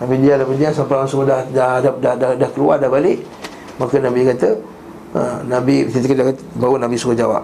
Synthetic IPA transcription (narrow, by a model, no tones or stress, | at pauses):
namidiadamidiasampaansuodahdahadahdadahkəluardahbalɪʔ | makənabikat̪ə | ə̰nabit̪it̪əkədakat̪bawunabisuəd͡ʒawa̰p̚